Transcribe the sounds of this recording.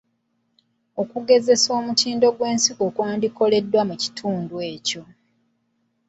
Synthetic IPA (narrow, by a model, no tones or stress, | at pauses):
o̞kuɡe̞ze̞so̞ːmutiːndo̞ɡwe̞ːnsiko̞kwaːndiko̞le̞dːwamuci̥tʰuːndwe̞ːco̞